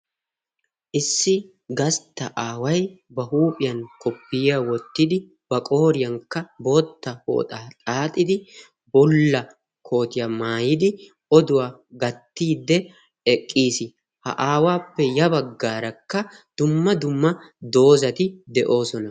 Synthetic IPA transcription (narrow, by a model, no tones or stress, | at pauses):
ʔɪsːɪ | ɡɐst̪ːɐʔaːwɐjbɐhuːpʼɪjɐŋkʰɔpːɪjɐwɔt̪ːɪd̪ɪ | b̥ɐkʼo̞ːɾɪjɐŋkːɐbo̞ːt̪ːɐho̰ːt̪ʼaːt̪ʼaːt̪ʼːɪd̪ɪ | bɔlːɐ | kʰo̞ːt̪ɪjɐmaːjɪd̪ɪ | ʔɔd̪ʊwaɡɐt̪ːiːd̪ɛ | ɛkʼːiːsɪ | hɐ̰ʔaːwaːpːɛjɐbɐɡːaːɾɐkːɐd̪̥ʊmːɐd̪ʊmːɐd̪o̞ːzɐt̪ɪd̪ɛʔo̞ːsɔnɐ